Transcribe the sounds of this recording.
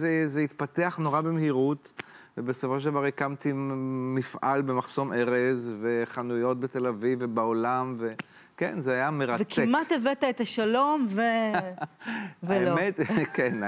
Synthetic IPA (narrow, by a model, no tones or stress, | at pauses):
zezeit̪pat̪eaχno̞ʁabemehiʁut̪vebe̞sofo̞ʃed̪avaʁekamt̪imifʔa̰lbe̞maχso̞mʔeʁezve̞χanujo̞t̪̚bet̪e̞lavivebaolamve | kḛnzeajameʁavetkiemat̪evet̪aetaʃalomve | vaemet̪ken